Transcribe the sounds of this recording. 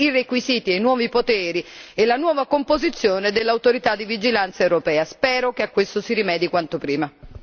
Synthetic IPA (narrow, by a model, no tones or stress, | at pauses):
irekwiziːt̪iajnwɔːvipot̪ɛːɾielanwɔːvakompozit̪sːjoːned̪elːawt̪oɾit̪ad̪ːivid͡ʒilant̪saewɾopɛːaspɛːɾokeakːwest̪osiɾimɛːd̪ikwant̪opɾiːma